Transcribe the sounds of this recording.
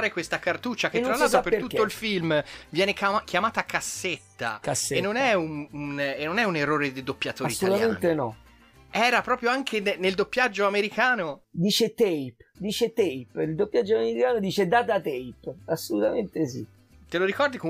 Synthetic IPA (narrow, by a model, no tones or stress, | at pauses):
ɾekwest̪akart̪ut͡ʃːak̟eːɾalːalt̪ɾopeɾt̪ut̪ːoilfilmvjɛːnekk̟jamaːt̪akasːet̪ːa̰kasenːonɛununenːonɛunerːoːɾed̪id̪opːjat̪oɾist̪olut̪ament̪enɔ | ɛːɾapɾɔːpɾjoaŋkʰenneld̪opːjad͡ʒːoameɾikʰaːnod̪iːt͡ʃet̪ɛjpd̪iːt͡ʃet̪ɛjpild̪opːjad͡ʒːoameɾɾikaːnod̪iːt͡ʃed̪aːt̪at̪ɛjpasːolut̪ament̪esḭ | t̪eloɾikɔrd̪iko